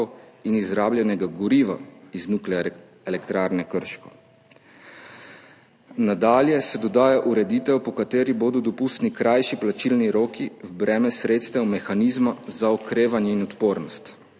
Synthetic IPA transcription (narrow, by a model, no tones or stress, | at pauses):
inizɾaːbljɛnɛɡaɡɔɾiːʋa̰iznuklɛ | ɛlɛkt̪ɾaːɾnɛkəɾʃkɔ | nad̪aːljɛsɛd̪ɔd̪aːjaʔuɾɛd̪iːt̪ɛwpɔkat̪eːɾiboːd̪ɔd̪ɔpust̪nikɾajʃiplat͡ʃilniɾoːkiwbɾɛːmɛsɾeːt̪st̪ɛwmɛxanizmazaɔkɾeːʋanjɛinɔt̪poːɾnɔst̪